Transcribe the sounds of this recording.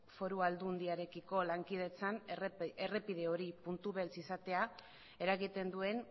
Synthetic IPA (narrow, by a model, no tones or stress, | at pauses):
fo̞ɾuald̪und̪iaɾe̞kiko̞laŋkið̞e̞t͡sanerepiðe̞o̞ɾipunt̪uβe̞lt͡sisat̪e̞a | e̞ɾaɣit̪e̞nd̪ue̞n